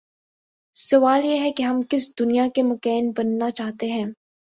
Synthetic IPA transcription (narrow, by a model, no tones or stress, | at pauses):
sɐʋaːljeɦɛkeɦɐmkɪsd̪ʊnijakemɐkɛːnbɐnːat͡ʃaːɦt̪eɦɛ̃ː